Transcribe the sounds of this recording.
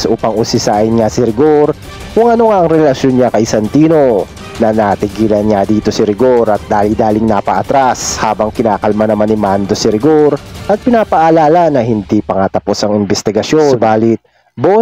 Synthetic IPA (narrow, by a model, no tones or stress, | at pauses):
sʔuːpɐŋʊsɪsaːʔɪnŋasɪɾɪɡo̞ɾ | kʊŋʔɐno̞ŋaʔɐŋɾɛlɐʃjonɲakɐjsɐnt̪iːno̞ | nɐnat̪ɪɡiːlɐnɲad̪iːt̪o̞sɪɾɪɡo̞ɾʔɐt̪̚d̪aːlid̪aːlɪŋnapɐʔɐt̪ɾashaːbɐŋkɪnaːkɐlmanɐmanɪmand̪o̞sɪɾɪɡoɾʔɐt̪̚pɪnaːpɐʔɐlaːlɐnɐhɪnd̪ipɐŋat̪ɐpo̞sɐŋɪmbɛst̪ɪɡɐʃjobaːlɪt̪̚ | bo